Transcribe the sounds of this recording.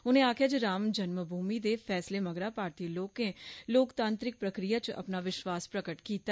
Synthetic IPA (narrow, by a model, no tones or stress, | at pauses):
ʊnẽːaːkʰjaːd͡ʒiɾaːmd͡ʒənməbʱuːmiːd̪eːpʰɛːsleːməɡɾaːpaːɾt̪iːloːkẽːloːkt̪ãːnt̪ɾɪk̚pɾəkɾijaːt͡ʃə̰pnaːʋɪʃwaːspɾəkəʈkiːt̪a